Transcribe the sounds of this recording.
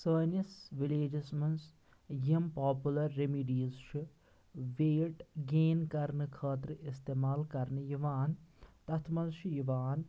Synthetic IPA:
səːnisʋileːd͡ʒismɐns | jimpaːpulɐɾːemiɖiːzʃʰi | ʋeːʈɡeːnkɐɾnɨkʰaːt̪ɾɨist̪eːmaːlkɐɾnɨjiʋaːnt̪ɐt̪ʰmɐnʃʰijiʋaːn

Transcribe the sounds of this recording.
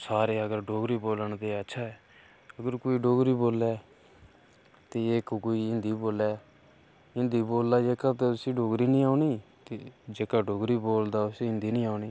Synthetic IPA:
saːɾeːəɡəɾɖoːɡɾiːboːləɳd̪eːətːʃʰaːɛː | əɡəɾkoːiːɖoːɡɾiːboːlɛː | t̪eːeːkkoːiːɪnd̪iːboːlɛː | ɪ̃nd̪iːboːldaːd͡ʒeːkaːt̪eʊsĩːɖoːɡɾiːnĩːaːʊniːt̪eːd͡ʒeːkaːɖoːɡɾiːboːld̪aːʊsĩːɪnd̪iːnĩːaːʊɳiː

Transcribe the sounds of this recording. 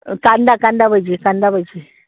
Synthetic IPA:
kandakandaβəd͡ʒikand̪abəd͡ʒi

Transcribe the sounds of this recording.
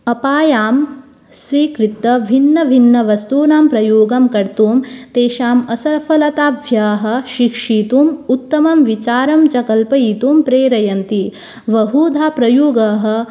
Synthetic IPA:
ɐpaːjaːm | sʋiːkɾit̪ːɐʋʱinːɐʋʱinːɐʋɐst̪uːnaːmpɾɐjoːɡɐmkɐɾt̪uːmt̪eːʃaːmɐsɐɾfʰɐlɐt̪aːʋʱjaːɦɐ̆ʃikʂiːt̪uːmut̪ːɐmɐmʋit͡ʃaːɾɐmt͡ʃɐkɐlpɐjiːt̪uːmpɾeːɾɐjɐnt̪i | ʋɐɦuːd̪ʱaːpɾɐjoːɡɐɦɐ̆

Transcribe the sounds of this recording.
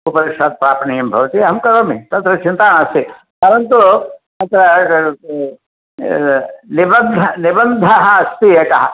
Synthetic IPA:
upɐɾikʂaːd̪̚pɾaːpnijɐmbʱɐʋɐt̪iɦɐmkɐɾomit̪ɐnt̪ɾɐt͡ʃint̪aːɳɐst̪i | kɐɾɐnt̪ut̪ɐt̪ɾɐ | nibɐnd̪ʱɐnibənd̪ʱɐɦɐːst̪ijɐkɐɦɐ

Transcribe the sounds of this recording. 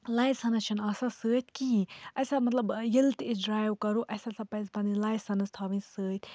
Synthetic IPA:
laːjsɐnɐt͡ʃʰɐnɐsasəːt̪ʲʰkiɐjsamɐt̪lɐbjilt̪id͡ʒɾaːjwkɐɾuʔɐsasɐpɐzpɐnilaːjsɐnɐst̪ʰɐːbĩnsəːt̪ʰʲ

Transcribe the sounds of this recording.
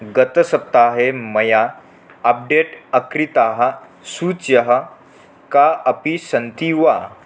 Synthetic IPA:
ɡət̪əsəp̚t̪aɦeməjaː | p̚ɖeʈəkɾit̪aɦə | sut͡sjəɦə | kaəpisənt̪iʋa

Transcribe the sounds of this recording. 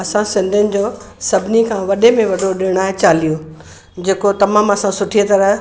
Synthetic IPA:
ɐsãsɪ̃nd̪ʱʊnɪ̆d͡ʑoː | sɐbʱɪnikʰãːʋɐɗemẽʋɐɖʱoɗɪɽ̃aːɦet͡ɕaːlijo | d͡ʑeːkot̪ɐmaːmɐsãsʊʈʰiet̪ɐɾəɦ

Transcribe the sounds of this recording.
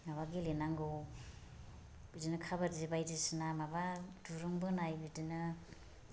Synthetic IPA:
ŋaβaɡilenaŋɡow | bidinɯkʰabaɾzibajdisinamabaduɾɯŋbɯnajbidinɯ

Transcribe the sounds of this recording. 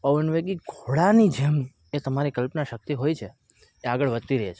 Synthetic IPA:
pəʋənʋeɡiɡʱoɽanid͡ʒem | et̪əmaɾikəlpnaʃək̚t̪iɦojt͡ʃʰe | eaɡəɭʋəd̪t̪iɾəɦet͡ʃʰe

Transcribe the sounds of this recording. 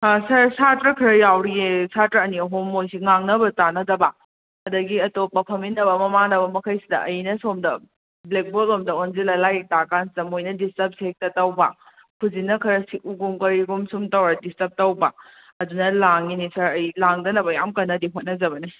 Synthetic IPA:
sɐɾsatɾɐkʰiɾɐjawɾiesatɾɐɐniɐɦomːojsiŋaŋnɐbɐtanɐdɐbɐ | ɐdɐɡiɐtopːɐpʰɐminɐbɐmɐmaŋdɐbɐmɐkʰɐjsidɐ̰ʔɐjnɐsomdɐ | blek̚bolomdɐonzilɐlaj̚takansidɐmojnɐdistɐp̚sek̚tɐtɐwbɐ | pʰuzinɐkʰɐɾɐsiʔuɡumkɐɾiɡumsumtɐwadistɐp̚tɐwbɐ | ɐdunɐlaŋinisɐɾɐjlaŋdɐnɐbɐjamkɐnːɐdiɦot̚nɐzɐbɐni

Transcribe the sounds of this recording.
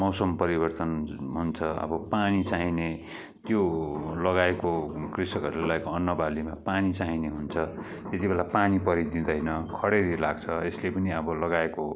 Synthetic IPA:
mʌwsʌmpʌɾibʌrt̪ʌnɦunt͡sʰʌʌ̰bʌpanit͡saɦine | t̪jolʌɡaekokrisʌkʌɾulelʌekoʌnːʌbalimapanit͡saɦineɦunt͡sʰʌ | t̪et̪ibelapanipʌɾid̪ĩd̪ʌjnʌkʰʌɽeɾilaɡt͡sʰʌeslepʌniʌbʌlʌɡaeko

